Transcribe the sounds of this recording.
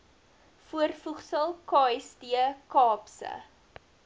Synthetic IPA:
fuərfuχsəlˠkɑːjsdiəkɑːpsə̰

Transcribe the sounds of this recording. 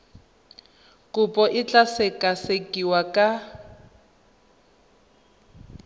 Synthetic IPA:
kʼupʼɔʔɪt͡ɬʼasekʼasekʼiwakʼa

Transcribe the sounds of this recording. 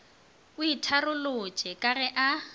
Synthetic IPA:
ʊitʰarʊlʊt͡ʃʼɛkʼarɛʔa

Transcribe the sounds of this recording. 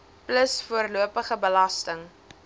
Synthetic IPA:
pləsfuərluəpəχəbəlɐstəŋ

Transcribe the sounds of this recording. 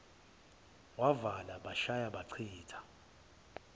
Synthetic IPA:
wavalaɓaʃajaɓaǀʰiːtʰḁ

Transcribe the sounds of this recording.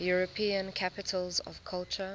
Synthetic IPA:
juɹɔpʰĩə̃nkʰapɪtʰəlzɔ̰v̥kʰalt͡ʃə

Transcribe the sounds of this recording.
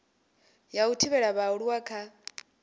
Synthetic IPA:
jautʰiβɛɺaβauɺuwakʰa

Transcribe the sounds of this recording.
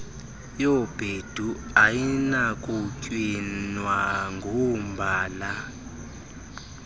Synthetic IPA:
jɔb̥ʱed̥ʱuajinakʼucʼwinwaŋɡʱɔmbʱaːla

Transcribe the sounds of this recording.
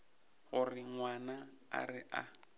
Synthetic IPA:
ɣʊrɪŋwanaa̰rɪʔa

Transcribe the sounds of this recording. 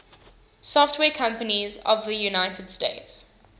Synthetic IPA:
sɔftʰwɛːkʰʌ̃mpənizɔ̰vðəjunaɪtʰəd̥steɪts

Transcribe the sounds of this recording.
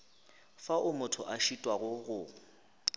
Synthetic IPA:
faʔʊmʊtʰʊ̰ʔaʃitʼwaɣʊɣʊ

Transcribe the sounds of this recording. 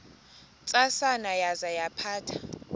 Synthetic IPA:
t͡sʼasanajazajapʰaːtʰḁ

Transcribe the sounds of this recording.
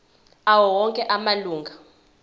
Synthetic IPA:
awɔwɔŋkʼɛʔamaluːŋɡʱa

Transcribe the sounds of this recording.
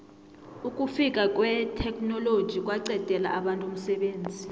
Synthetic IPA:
ukʼufikʼakʼwɛtʰɛkʰʼnɔlod̥ʒ̥ʱik̬ʼwaǀɛd̥ʱɛla̰ʔaɓantʼom̩sɛɓeːnd͡zʱi

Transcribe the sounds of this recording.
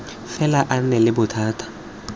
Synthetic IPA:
fɛlaʔan̩nɛlɪbʊtʰaːtʰḁ

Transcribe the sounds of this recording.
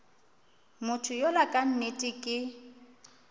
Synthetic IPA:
mʊtʰʊjolakʼan̩netʼɪkʼɪ

